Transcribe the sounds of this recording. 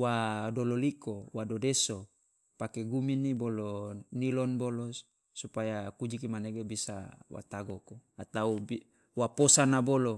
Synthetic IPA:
wadololikowadodeso | pakeɡuminibolonilɔnbolo | supajakud͡ʒikimaneɡebisa̰wa̰t̪aɡokoat̪aui | waposanabolo

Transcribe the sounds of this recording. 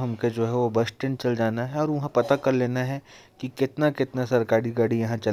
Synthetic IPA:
ɦɐmked͡ʒoːɦɛʋobɐsʈɪnt͡ʃɐld͡ʒaːnaɦɛɔːɾʋɐɦãpɐt̪akɐɾleːnaɦɛ | kikɪt̪nakɪt̪nasɐɾkaːɾiɡaːɽijɐɦãt͡ʃɐl

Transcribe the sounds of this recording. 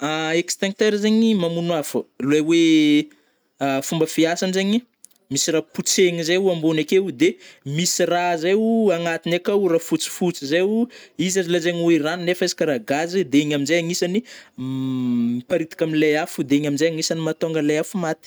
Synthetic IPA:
aekst̪aŋt̪eɾzeɲimamunwafuluewe | fumbəfiasanzeɲi | misiraput͡seŋizajuambunakeud̪emisirazeuaŋat̪inakauɾafut͡si̥fut͡sizeuizazilazeɲeiraninefezi̥kaɾaɡazid̪eeɲaminzajaŋisani | ipaɾit̪ḁkaminlajafud̪eeɲaminzajaŋisanimat̪oŋɡalajafumat̪i̥

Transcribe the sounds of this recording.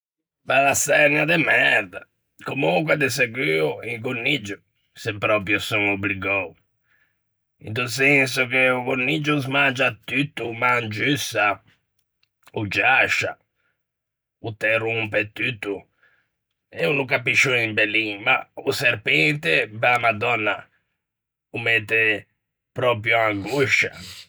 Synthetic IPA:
balasɛɾɲad̪ɛmɛɾd̪a | komukwad̪es̬eɡiuiŋkonːid͡ʒu | sepːɾɔpɾjusuŋobliɡɔw | ḭnt̪usensukeuɡonːid͡ʒuzmand͡ʒat̪ːyt̪ːumand͡ʒysa | ud͡ʒaʃa̰ | ut̪ɛrumpet̪ːyt̪ːu | ɛunukapːiʃːunimbelːiŋma̰useɾpɛnt̪epalamad̪ɔnːa̰ | umɛt̪ːe | pɾɔpɾjuaŋɡuʃa

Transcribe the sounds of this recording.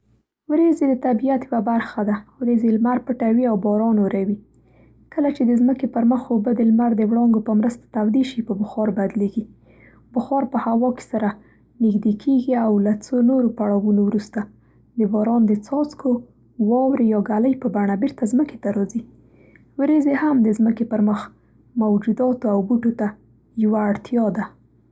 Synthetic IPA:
wɾezed̪ət̪abijat̪jwabaɾxad̪awɾezelmaɾpəʈawiawbɑɾɑnoɾawi | kəlat͡ʃed̪əzməkepəɾməxobəd̪əlmaɾd̪əwɽɑŋɡopəmɾəst̪ḁt̪awd̪eʃipəbʊxɑɾbad̪leɡi | bʊxɑɾpəhawɑke̥saɾa | nɪxd̪ekʰeɡiawlat͡sonoɾopaɽɑwunowɾust̪a | d̪əbɑɾɑnd̪ət͡sɑt͡skʰo | wɑwɾejɑɡaləjpəbaɳabeɾt̪azməke̥t̪aɾɑzi | wɾezehamd̪əzməkepəɾməx | mawd͡ʒud̪ɑt̪oawbuʈot̪a | jawaːɽt̪jɑd̪a

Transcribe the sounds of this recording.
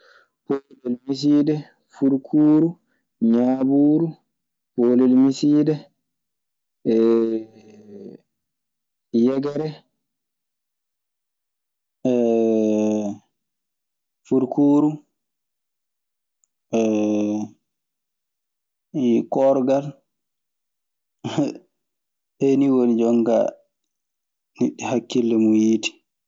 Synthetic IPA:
polɛlmis̬idɛ | fuɾkʰuːɾu | ɲabuːɾu | polɛlmisiːdɛ | jɛɡɛɾɛ | ɛ | fuɾkʰuːɾu | ɛ | kɔɾɡal | eniwonid͡ʒɔŋɡa̰ | niɗːihakːilːɛmujiti̥

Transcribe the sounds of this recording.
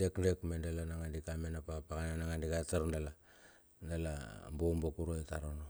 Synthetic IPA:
ekndekmendalanaŋandikamenapapakananaŋandikataɾndala | ndala̰mbombokuɾoetaɾono

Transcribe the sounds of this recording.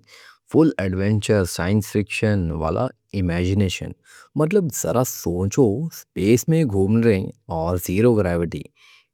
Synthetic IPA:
fʊlɛɖʋẽɳt͡ʃəɾsaːjɪnsfɪkʃənʋa̰ːlʔa̰ | ɪmɛːd͡ʒɪneːʃə̰n | mɐt̪̬ləbz̥ɐ̰ɾasõːt͡ʃospeːsmẽɡʱuːmnɾẽɔːɾziːɾoɡɾɛːʋɪʈḭː

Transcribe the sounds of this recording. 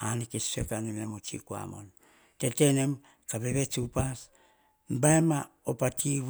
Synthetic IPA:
anikesekanimemot͡ʃḭkua̰mo̰n | tetenem | kabeβet͡ʃupas | mbaema | opatʰi

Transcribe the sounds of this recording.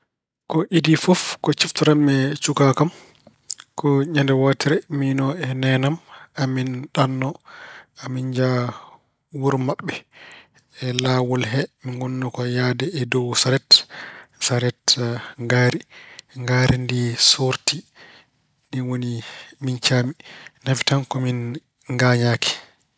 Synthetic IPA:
kɔʔidifɔfkɔt͡ʃiftuɾamɛt͡ʃukakam | kʰɔɲandɛwatiɾɛminɔɛnɛnamaminɗanːɔamind͡ʒa | wuɾmaɓːɛ | ɛlawɔlɦɛminɡɔnːɔkɔjaːdɛːdɔwsaɾɛt | saɾɛtŋɡaːɾiŋɡaːɾʔindisoɾti | niwonimint͡ʃaːminafitankɔmin | ŋɡaːɲaːkʰi̥

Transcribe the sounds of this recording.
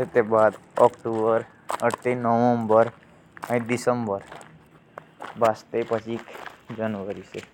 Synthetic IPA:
set̪ebad̪ɔkʈubəɾ | əʈːenɔʋəmbəɾ | ãɖisəmbəɾ | bast̪epət͡ʃʰikd͡ʒənʋəɾise

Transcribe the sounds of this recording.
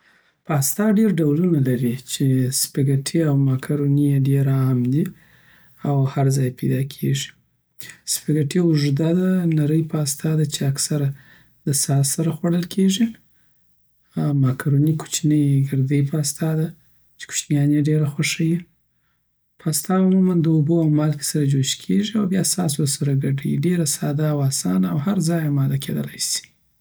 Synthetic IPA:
pɑst̪ɑɖeɾɖawlunalaɾit͡ʃespaɡaʈʰiawmɑkʰaɾonijeɖeɾamd̪i | awhaɾzɑjpejd̪ɑkʰeʒi̥ | spaɡaʈiʊʐd̪ad̪anaɾəjpʰaast̪ɑd̪at͡ʃeaksaɾa | d̪̥əsɑsaɾaxwaɽəlkʰeʐi | amɑkɾonikʰu̥t͡ʃinəjɡɪɾd̪əjpəast̪ɑd̪a | t͡ʃe̥kʊ̥ʃnjɑneɖeɾaxwaʂaji | pʰəast̪ɑumumand̪əoboawmɑlke̥saɾad͡ʒoʃkʰeʒiawbjɑsɑswəɾsaɾaɡaɖəjiɖeɾasɑd̪aːwɑsɑ̰naawhaɾzɑjamɑd̪akʰed̪əlajsi̥

